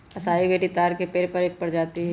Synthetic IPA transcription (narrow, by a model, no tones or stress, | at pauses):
ɐsaːibeːʈit̪aːɾkepeːɾpɐɾeːk̚pɐɽd͡ʒaːt̪iɦɛ